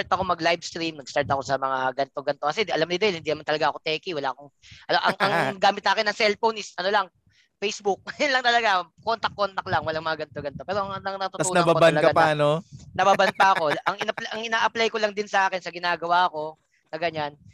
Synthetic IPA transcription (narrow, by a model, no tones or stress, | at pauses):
aɾt̪ɐko̞mɐɡlajbst̪ɾimnɐɡst̪aɹt̪ɐko̞sɐmɐŋaɡɐnt̪oɡɐnt̪okɐsɛʔɐlamnɪd̪ɐɪlhɪnd̪inɐmant̪ɐlɐɡaɐko̞t̪ɛːkiwɐlaːʔɐkoŋʔɐʔɐŋʔɐŋɡaːmɪt̪saːkɪnːɐŋsɛlpownɪsʔɐno̞laŋ | fejsbʊk̚nlɐŋt̪ɐlɐɡako̞nt̪ɐk̚ːo̞nt̪ɐk̚lɐŋwɐlaŋmɐŋaɡɐnt̪oɡɐnt̪o̞pɛːɾo̞ɐŋnɐŋnɐt̪ʊt̪ɐuːnɐobaobanɐlɐkɐɐpaːnonɐbabɐnp̪aɐkko̞ʔɐŋɪnɐpʔɐŋɪnaːʔɐplajkolaŋd̪ɪnsɐʔaːkɪnsɐɡɪnaːɡɐwaːko̞ | nɐɡɐɲan